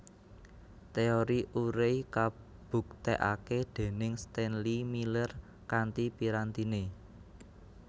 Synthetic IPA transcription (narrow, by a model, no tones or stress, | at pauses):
t̪eoɾiʔuɾeika | b̥ṳk̚t̪ɛʔa̰ked̪̥e̤nɪŋst̪ɛnlimilər | kant̪ipiɾant̪ine